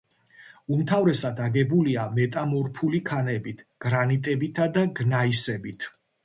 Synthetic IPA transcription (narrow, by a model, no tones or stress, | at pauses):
umt̪ʰavɾɛsad̪aɡɛbuliamɛt̪ʼamɔɾpʰulikʰanɛbit̪ʰɡ̥ɾanit̪ʼɛbit̪ʰad̪aɡnaisɛbit̪ʰ